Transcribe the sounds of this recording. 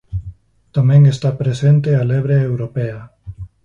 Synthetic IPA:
t̪amẽŋest̪apɾesent̪ealeβɾeewɾopea

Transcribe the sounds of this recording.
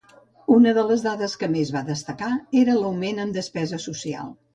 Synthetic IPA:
unəðələzðaðəskəmezβaðəst̪əkaeɾələwmenəmd̪əspɛzəsusia̰lˠ

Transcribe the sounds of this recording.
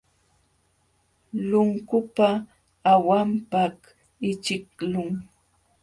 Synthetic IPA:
lʊŋkʊpaː | wampak | ɪt͡ʃɪklʊŋ

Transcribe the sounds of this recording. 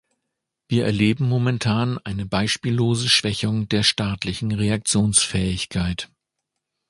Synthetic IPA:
viːɐʔɛɐleːbm̩momɛntʰaːnʔaɪnəbaɪʃpiːlːoːzəʃv̥ɛçʊŋdeːɐʃtaːtlɪçn̩ʁeak̚t͡sjoːnsfɛːɪçkʰaɪt

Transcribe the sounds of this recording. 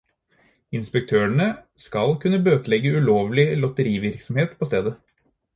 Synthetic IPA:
ɪnspɛk̚t̪ʰøːəɳə | skɑlkʰʉnːəbøːt̪lɛɡəʉloːʋlɪlɔt̪əɾiːʋɪɾksɔm̩heːt̪pʰoːst̪eːd̪ə

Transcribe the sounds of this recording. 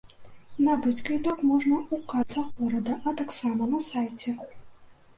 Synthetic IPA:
nɐbɨt͡sʲkit̪akmɔʐnɐukat̪sɐɣɔɾɐd̪ɐʔɐt̪aksamɐnɐsajt͡sʲɛ

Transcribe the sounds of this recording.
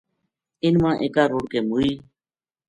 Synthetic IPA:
ɪnmãːʔeːkaːɾoːɽkeːmuːiː

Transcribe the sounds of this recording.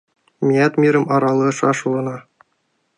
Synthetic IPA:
mʲiɑt̪mʲiɾɘ̆mɑɾɑlˠɤʂɑʂulˠɤ̆nɑ

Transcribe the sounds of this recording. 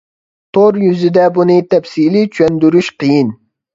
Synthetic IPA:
t̪ʰoɾjyzɪd̪ɛbunɨt̪ʰɛfsilit͡ʃʰyɛnd̪yɾyʃqʰɨjin

